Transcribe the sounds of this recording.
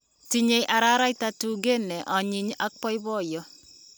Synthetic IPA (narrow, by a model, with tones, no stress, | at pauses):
ti˦ɲe˨jʔa˨ɾa˦ɾa˦jta˦tu˨ɡe˦nɛ˨ʔɔ˨ɲi˨ɲa˦k̚pɔ˦jbɔ˦jɔ˦